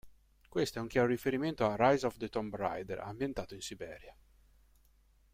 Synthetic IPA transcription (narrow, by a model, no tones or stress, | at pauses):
kwest̪oɛuŋkjaɾoɾifeɾiment̪oarajzɔvd̪et̪ɔmbɾa̰jd̪ɛ̰ɾa̰mbjent̪aːt̪oinsibɛ̰ːɾja